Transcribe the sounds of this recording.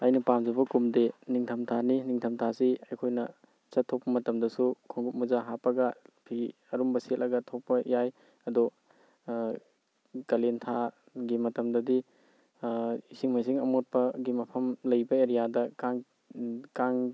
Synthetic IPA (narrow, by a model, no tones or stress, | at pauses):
ɐjnɐpamzɐbɐkumdeniŋtʰɐmtʰaniniŋtʰɐmtʰasiɐjkʰojnɐ | t͡ʃɐtʰːok̚pːɐmɐtɐmdɐsukʰoŋɡut̚muzaɦapɐɡɐpʰi | ɐɾumbɐsetlʔɐɡɐtʰok̚pːɐjaj | ɐdɔ | kɐlentʰa | ɡimɐtɐmdɐdi | isiŋmajs̬iŋɐmot̚pɐɡimɐpʰɐmlɐjbɐeɾijadɐkaŋ | kaŋ